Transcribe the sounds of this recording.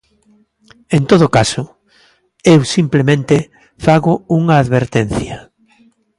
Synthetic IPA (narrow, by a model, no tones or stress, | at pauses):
ent̪oð̞ʊkasʊ | ewsimplemẽnt̪e | faɣʊuŋɐːðβeɾt̪en̟θjɐ